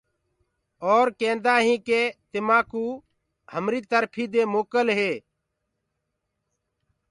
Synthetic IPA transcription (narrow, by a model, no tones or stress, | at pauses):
ɔːɾkẽːnd̪aːɦĩːkeːt̪ɪmaːkuː | həmɾiːt̪əɾpʰiːd̪eːmoːkəlɦeː